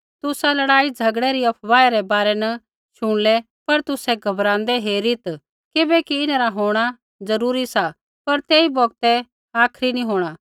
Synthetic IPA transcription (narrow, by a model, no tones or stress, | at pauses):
t̪ʊsalɐɽaːid͡zʱɐɡɽɛɾiɐpʰʋaːeɾɛbaːɾɛnɐ | ʃʊɽ̃lɛ | pɐɾt̪ʊsɛɡʱɐbɾãːnd̪ɛɦeːɾit̪ | kɪbɛkiɪnaɾaɦoːɽ̃a | d͡zɐɾuːɾisa | pɐɾt̪eːibɔɡt̪ɛ | aːkʰɾinĩɦoːɽ̃a